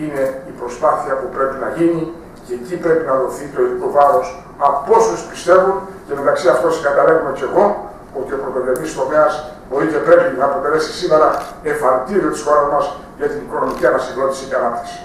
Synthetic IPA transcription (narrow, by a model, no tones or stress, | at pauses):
ine̞ipɾo̞spaθiɐpupɾe̞pinɐʝini | ce̞ːcipɾe̞pinɐðo̞θit̪o̞eik̪ovɐɾo̞s | ɐo̞suspist̪e̞vunce̞me̞t̪ɐksiɐft̪osiŋɡɐt̪ɐlevume̞ce̞ɣo̞ | ot̪io̞pɾot̪evevist̪o̞me̞ɐsbo̞ɾice̞pɾe̞pinɐːpɾo̞t̪e̞le̞si̥sime̞ɾɐe̞fɐɾt̪iɾiot̪i̥sxo̞ɾɐzmɐs | ʝɐt̪iniko̞no̞miciɐnɐsiɣno̞t̪isiceɐnɐpt̪i̥ksi̥